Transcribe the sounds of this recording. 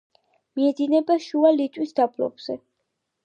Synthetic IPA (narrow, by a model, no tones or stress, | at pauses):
miɛd̪inɛbaʃualit̪ʼwisd̪abʰlɔ̰bz̥ɛ